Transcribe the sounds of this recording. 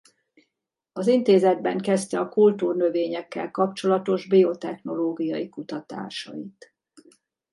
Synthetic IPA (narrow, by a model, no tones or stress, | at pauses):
ɒzint̪eːzɛd̪̚bɛŋkɛst̪ɛɒkult̪uːrnøveːɲɛkːɛ̰lkɒpt͡ʃo̞lɒt̪o̞ʒbio̞t̪ɛxno̞loːɡijɒjikut̪ɒt̪a̰ːʃɒ̰it̪